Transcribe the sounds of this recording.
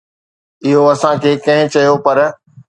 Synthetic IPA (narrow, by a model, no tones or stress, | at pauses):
ɪɦoɐsãkʰeːkɐ̃ɦɪ̃t͡ɕɐjopɐɾ